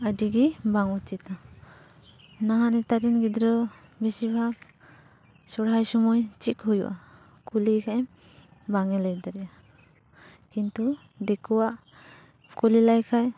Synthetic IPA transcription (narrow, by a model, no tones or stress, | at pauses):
adiɡibaŋut͡ʃit̪na | naɦanɛt̪aɾinɡid̪ɾɔ | bisibʱak | sɔɽɦajsɔmɔjt͡ʃikhujṵʔa̰ | kulikʰaɛm | baŋɛlajd̪aɾɛja | kint̪u | d̪ekʰuwaʔ | kulilajkʰaj